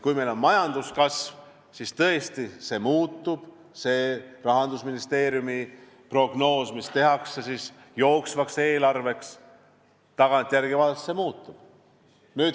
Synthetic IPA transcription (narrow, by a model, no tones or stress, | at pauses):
kujmelonmɑjɑnd̪̥uskɑsv | sist̪ɤe̞st̪ise̞muːt̪ːub̥ | se̞ːrɑɦɑnd̪usminist̪e̞ːɾjumi | pro̞ɡ̥no̞ːsmist̪e̞ɦɑksesis | jo̞ːksvɑkse̞ːlɑrve̞ks | t̪ɑɡ̥ɑnt̪ʲˑjærɡ̥ivɑlst̪semuːt̪ːˑub̥ | nyːd̪̥